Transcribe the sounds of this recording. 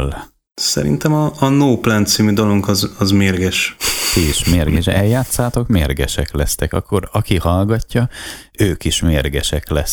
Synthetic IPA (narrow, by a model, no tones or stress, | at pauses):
l | sɛ̰ɾḭnt̪ɛmɒːnoːplant̪siːmyd̪oloŋkɒzɒzmeːrɡɛʃt̪iiʃmeːrɡɛʃɛljaːt̪saːt̪o̞kmeːrɡɛʃɛklɛst̪ɛkɒ̰kːo̞ɾɒkihɒlɡɒcːɒøːkiʃmeːrɡɛʃɛklɛs